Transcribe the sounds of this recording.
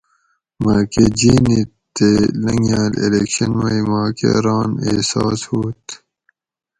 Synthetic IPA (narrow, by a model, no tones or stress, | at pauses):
maːked͡ʑiːnit̪elɐŋjaːlḛlekɕɐnmɐimaːkḛɾaːnesa̰ːshoːt̪